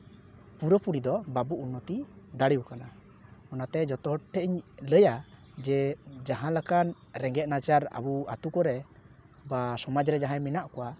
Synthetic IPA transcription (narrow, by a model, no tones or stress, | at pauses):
puɾəpuɽid̪ɔbabuʔunːɔt̪id̪aɽiwkana | ɔnat̪ɛd͡ʒɔt̪ɔɦɔʈʈʰːɛʔiɲləja | d͡ʒɛd͡ʒaɦãlakan | ɾɛŋɡɛt̪̚nat͡ʃaɾa̰bua̰t̪ukɔɾɛ | basɔmad͡ʒɾɛd͡ʒaɦãjminaʔkɔwa